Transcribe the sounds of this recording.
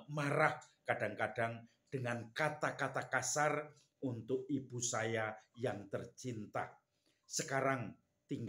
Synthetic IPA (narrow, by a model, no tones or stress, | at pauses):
maɾahkaɖ̥aŋkaɖ̥a̤ŋ | ɖ̥əŋankat̪ak̪at̪akasar | ʔunt̪ʊkib̥usajajaŋt̪ərt͡ʃint̪a̰ | səkaɾaŋ | t̪iŋ